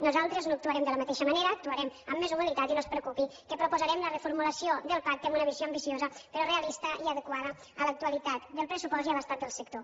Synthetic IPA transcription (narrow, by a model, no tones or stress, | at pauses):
nuzalˠt̪ɾəznoəkt̪uəɾɛmd̪ələmat̪eʃəməneɾəːk̚t̪uəɾɛməmːezuɣəlit̪at̪inospɾəkupikəpɾupuzəɾɛmlərəfuɾmuləsioðəlˠpak̚t̪emunəβizjoəmbisiozəpəɾɔreəlist̪əiəðəkwaðə | ələk̚t̪uəlit̪at̪d̪əlˠpɾəsupɔziəβəst̪at̪d̪əlˠsək̚t̪o